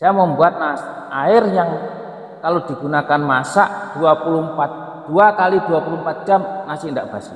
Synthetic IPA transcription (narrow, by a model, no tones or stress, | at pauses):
d̥aməmbuat̪̚nas | ʔaɪrjaŋ | kalod̪̥iɡ̥unakanmasa̰ʔd̥uapulʊmpat̪̚ | d̥uakaliduapulʊmpat̪̚d͡ʒamnasɪndaʔb̥asɪ